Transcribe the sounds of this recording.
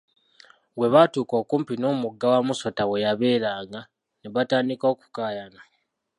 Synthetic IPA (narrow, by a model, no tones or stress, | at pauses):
we̞βatuːko̞ːkuːmpino̞ːmuɡːawamusotawe̞jaβe̞ːɾaːŋɡa | neβataːndiko̞ːku̥kaːjana